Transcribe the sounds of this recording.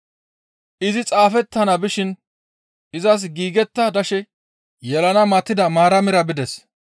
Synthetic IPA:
ʔɪzɪt͡sʼaːfɛt̪ːɐnɐbɪʃɪn | ʔɪzɐs̬ɡiːɡɛt̪ːɐd̪ɐʃɛ | jɛlɐnɐmɐt̪ːɪd̪ɐmaːɾɐmɪɾɐbɪd̪ɛs

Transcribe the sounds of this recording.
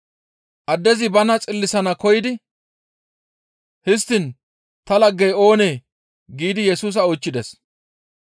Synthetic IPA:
ʔɐd̪ːɛzɪbɐnɐt͡sʼɪlːɪsɐnɐkɔjɪd̪ɪ | hɪs̬t̪ːɪn | t̪ɐlɐɡːɛjo̞ːne̞ː | ɡiːd̪ɪjɛsuːs̬ɐot͡ʃːɪd̪ɛs

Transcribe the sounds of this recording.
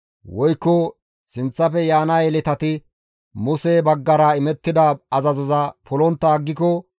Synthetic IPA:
wɔjkːɔ | sɪnt͡sːɐfɛjaːnɐjɛlɪt̪ɐt̪ɪ | mʊsebɐɡːɐɾɐɪmɛt̪ːɪd̪ɐɐzɐzɔzɐpɔlɔnt̪ːɐːɡːɪkɔ

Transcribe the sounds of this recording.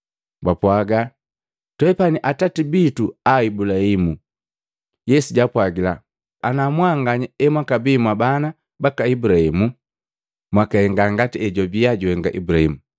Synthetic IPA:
bapwaɡa | tɔɛpaniʔatatibituaibulahimu | jɛsuɟapwaɡilaː | namwaŋɡaɲiɛmwakabimwabana | bakaibulahimu | mwakahɛŋɡaŋɡatiɛɟɔbiaɟɔhɛŋɡaʔḭbulahimu

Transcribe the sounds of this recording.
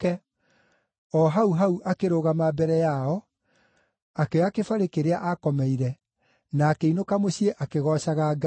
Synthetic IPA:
ɛ | ɔɦauɦauʔakeɾoɣamabɛɾɛjaɔ | akeakefaɾekeɾeaʔakɔmɛiɾɛ | naːkeinokamoɕieʔakeɣɔɕaɣaɡa

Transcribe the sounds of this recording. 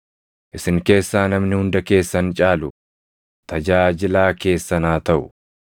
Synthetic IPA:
ʔɪsɪŋke̞ːsːaːnɐmnɪhʊnd̪ɐke̞ːsːɐnt͡ʃʼaːlʊ | t̪ʰɐd͡ʒaːd͡ʒɪlaːke̞ːsːɐnaːt̪ɐʔʊ

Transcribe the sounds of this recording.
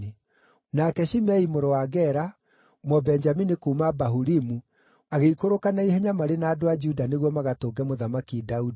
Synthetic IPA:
i | nakɛʃimɛimoɾowaɡɛɾa | mɔbɛnd͡ʒaminikuːmabaɦuɾimu | aɣeikoɾokanaiɦeɲamaɾenaːdoad͡ʒudaneɣwɔmaɣatoːɡɛmoðamakidaudi

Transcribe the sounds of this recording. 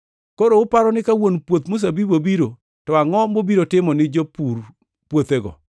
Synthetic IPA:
koɾoʊpaɾɔnɪkawonpwot̪mus̬abibobiɾo | tɔaŋɔmobiɾotɪmɔnɪd͡ʒopuɾ | pwot̪eɡɔ̰

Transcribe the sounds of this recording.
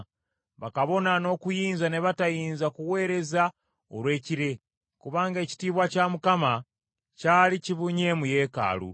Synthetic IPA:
βakaβo̞nano̞kujiːnzane̞βatajiːnzakuwe̞ːɾe̞za | olwe̞ːciɾe̞ | kuβaːŋɡe̞ci̥tiːβwacamukama | caːliciβuɲe̞muje̞ːka̰ːlṵ

